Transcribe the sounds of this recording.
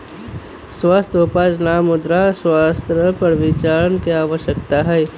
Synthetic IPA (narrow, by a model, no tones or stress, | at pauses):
swaːst̪ʰʊpaːd͡ʒnaːmʊd̪ɾaswaːst̪ɾəpɐɾʋɪt͡ʃaːɾənkeaːʋəʃjək̚t̪aɦɛː